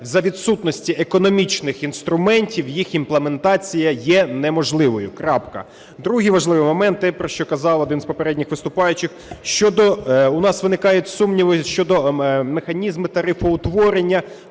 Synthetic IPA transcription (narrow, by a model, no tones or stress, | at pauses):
zɐʋʲid̪sut̪nɔsʲtʲiʔekɔnɔmʲit͡ʃnɪxinst̪ɾʊmɛnʲtʲiwjixinplˠeme̞nt̪ɑt͡sʲijɐjɛnɛmɔʒlˠɪʋɔjʊkɾɑpkɐ̰ | d̪ɾuɦijʋɐʒlˠɪʋɪjmɔmɛnt̪ːɛpɾɔʃt͡ʃɔkɐzɑlˠɔd̪ɪnzpɔpeɾɛdʲnʲixʋɪst̪ʊpɑjʊt͡ʃɪxʃt͡ʃɔd̪ɔʊnɑsʋɪnɪkɑjʊtʲsumnʲiʋɔʃt͡ʃɔd̪ɔmexɐnʲizmɪt̪ɐɾɪfɔʊt̪ʋɔɾenʲːɐ